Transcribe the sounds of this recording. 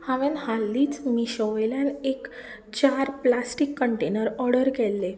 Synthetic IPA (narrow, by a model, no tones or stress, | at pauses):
haʋenhalːiːt͡smiɕəʋjljanek | t͡ɕaɾplasʈikːəɳʈenəɾɔɾɽəɾɡɛlːe